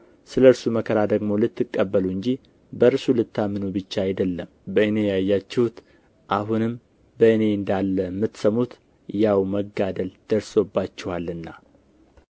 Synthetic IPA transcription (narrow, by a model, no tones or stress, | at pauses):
sɨləɨɾsuməkʰəɾad̪əɡmo̞lɨt̪ːɨkʼːəbːəluɨɲd͡ʒi | bəɾsulɨt̪ːamɨnubɨt͡ʃːaːjd̪əlːəmbəɨne̞jajːat͡ʃːɛhut̪ | ʔaɦunɨm | bəɨne̞ɨnd̪alːəmːɨt̪ːsəmut̪ | jawməɡad̪əld̪̥əɾso̞bːat͡ʃːɛhwalɨnːa